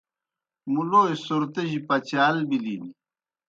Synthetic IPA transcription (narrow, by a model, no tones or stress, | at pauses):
muloːjsoɾt̪eʑipɐt͡ɕaːlbilini